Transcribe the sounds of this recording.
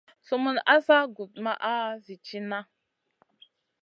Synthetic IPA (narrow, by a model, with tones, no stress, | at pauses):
su˦mu˦na˦za˦ɡu˨t̚ma˦ʔa˦zi˨t͡ʃi˦na˦